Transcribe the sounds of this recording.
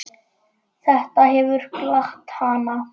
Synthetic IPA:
θɛht̪aɦɛvʏɾ̥klaxt̪hana

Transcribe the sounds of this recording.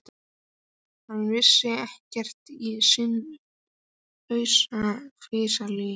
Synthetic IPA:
t̪ | hanːvɪsːɪɛhcɛr̥t̪isɪn | œɥsafɾɪːsalʏ

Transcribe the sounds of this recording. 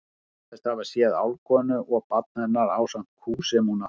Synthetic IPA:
θɛst̪havasjɛða̰wlkɔnʏʔɔɣpat̪̚nɛnːaɾawsam̥t̪̚kʰuːsɛmhuna

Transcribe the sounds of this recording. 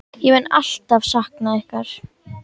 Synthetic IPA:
jɛmɛnːa̰l̥t̪avsahknaɛhkaɾ̥

